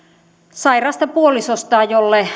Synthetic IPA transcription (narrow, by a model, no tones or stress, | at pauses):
sɑirɑːst̪ɑpuolisost̪ɑːjolːe